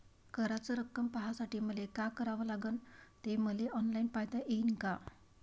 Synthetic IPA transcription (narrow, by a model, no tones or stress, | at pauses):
kəɾat͡səɾəkːəmpaɦasaʈiːm̤əlekakəɾaʋəlaɡənt̪eməleɔnlainpajd̪aʔeinka